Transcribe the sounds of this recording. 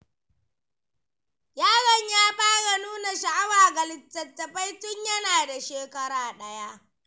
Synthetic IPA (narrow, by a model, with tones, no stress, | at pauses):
jaː˦ɣɐ˨ɲjaː˦ɸaː˦ɽa˨nuː˦na˨ʃa˨ʔa˦waː˨ɡɐ˨lɪ˨tːɐ˨tːɐ˨ɸa˦jtʊ˦ɲjɐ˦naː˨da˨ʃeː˨kɐ˦ɽaː˨ɗɐ˦ja˦ʔ